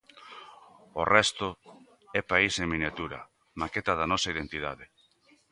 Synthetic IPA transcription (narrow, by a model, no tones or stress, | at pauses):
orɛst̪ʊ | ɛpaiseŋminjat̪uɾɐ̰ | maket̪ɐðanɔsɐið̞ent̪ið̞a̰ðe